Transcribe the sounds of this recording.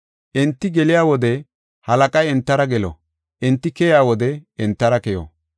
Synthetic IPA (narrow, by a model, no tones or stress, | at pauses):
ʔɛnt̪ːɪɡɛlɪjaːwɔd̪ɛ | hɐlɐkʼɐjɛnt̪ːɐɾɐɡɛlɔ̰ | ʔɛnt̪ːɪkɛjaːwɔd̪ɛɛnt̪ːɐɾɐkɛjo̰ː